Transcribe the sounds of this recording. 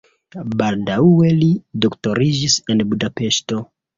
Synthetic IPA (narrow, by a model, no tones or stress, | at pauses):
baldaue̞lido̞kto̞ɾid͡ʒise̞nbudape̞ʃto̞